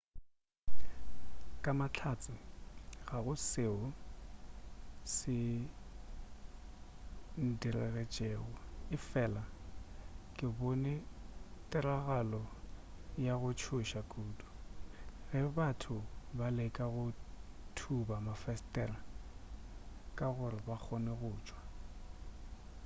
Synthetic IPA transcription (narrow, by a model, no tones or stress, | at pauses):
kʼamat͡ɬʰat͡sʼɪɣaɣʊseʊ | sɪ | n̩dirɛɣɛt͡ʃʼeːɣʊɪfɛla | kʼɪbonɛtʼɪraɣalɔ | jaɣʊt͡ʃʰʊʃakʼuːdu̥ | ɣɛbatʰʊbalɛkʼaɣʊtʰubamafɛstʼɛra | kʼaɣʊɾɪbak͡xʰɔnɛɣʊːt͡ʃʼwa